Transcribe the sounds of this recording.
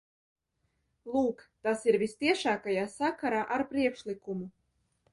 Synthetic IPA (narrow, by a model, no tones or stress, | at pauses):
lˠuːkt̪asiɾvʲist̪ʲiɛʃaːkajaːsakaɾaːʔaɾpɾiɛkʃlʲikumu